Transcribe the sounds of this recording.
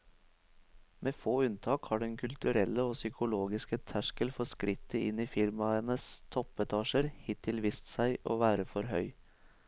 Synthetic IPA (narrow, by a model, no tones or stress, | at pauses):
mʔeːfoːʉnt̪ʰɑːkhɑːɖɛŋkʰʉlt̪ʉɾɛlːəoːsʏkʰʊloːɡɪskət̪ʰæʃkəlfɔskɾɪt̪ːəɪniːfɪɾmɑənəst̪ʰɔpɛt̪ʰɑːʃəɾhɪt̪ʰɪlʋɪst̪sæɪʔoːʋæːɾəfɔɾhœʏ